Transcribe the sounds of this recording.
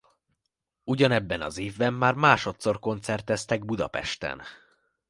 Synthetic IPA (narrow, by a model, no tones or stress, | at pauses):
uɟɒnɛbːɛnɒ̰zeːvbɛmːaːrmaːʃo̞t̪so̞rko̞nt̪sɛrt̪ːɛst̪ɛɡ̚bud̪ɒpɛ̰ʃt̪ɛ̰n